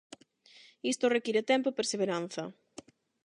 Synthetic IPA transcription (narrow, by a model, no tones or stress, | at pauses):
ist̪orekiɾet̪ɛmpopeɾseβeɾan̟θɐ